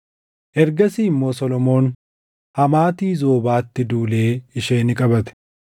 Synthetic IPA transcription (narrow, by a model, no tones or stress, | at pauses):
ʔɛɾɡɐsiːmːo̞ːsɔlɔmo̞ːn | hɐmaːt̪iːzo̞ːbaːt̪ːɪd̪uːle̞ːɪʃeːnɪkʼɐbɐt̪ɛ̥